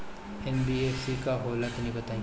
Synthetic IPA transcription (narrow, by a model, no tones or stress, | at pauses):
ɛnbieːfsikaɦoːlət̪nĩbɐt̪aːĩ